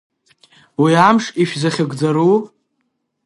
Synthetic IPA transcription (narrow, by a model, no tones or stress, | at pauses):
wiamʂiʃzaχʲɪɡʼd͡zaɾu